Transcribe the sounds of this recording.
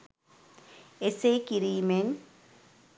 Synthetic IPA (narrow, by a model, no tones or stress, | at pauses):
esekiɾiːmen